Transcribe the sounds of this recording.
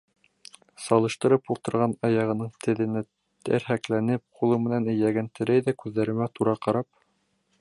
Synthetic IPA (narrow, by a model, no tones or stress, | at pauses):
sɑlˠɤ̆ʃt̪ɤ̆ɾɤpulˠt̪ɤ̆ɾʁɑnɑjɑʁɤ̆nɤɴt̪ʰɘ̆ðɘ̆nɘ | t̪æ̰ɾhæklænɘp̚qʰulˠɤmɘ̆nænɘ̆jæɡænt̪ʰɘ̆ɾæjðækʉðːæɾɘ̆mæt̪uɾɑqɑɾɑp̚